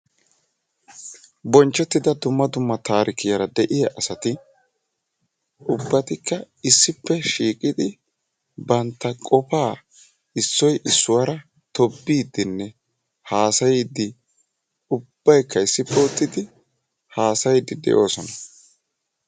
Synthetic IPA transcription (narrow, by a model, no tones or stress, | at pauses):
bɔnt͡ʃːɔt̪ːɪd̪ɐd̪ʊmːɐd̪ʊmːɐt̪ʰaːɾʔɪkɪjɐɾɐd̪ɛʔɪjɐʔɐsɐt̪ɪ | ʔʊbːɐt̪ɪkːɐ | ɪsːɪpːɛʃiːkʼɪd̪ɪ | bɐnt̪ːɐkʼɔpaː | ɪsːɔjʔɪsːʊwɐɾɐ | t̪ɔbːiːd̪ɪnːɛ | haːsɐjid̪ɪ | ʊb̥ːɐjkʰːɐɪsːɪpːɛʊt̪ːɪd̪ɪ | haːsɐjɪd̪ɪd̪ɛ̰ʔo̞ːsɔnɐ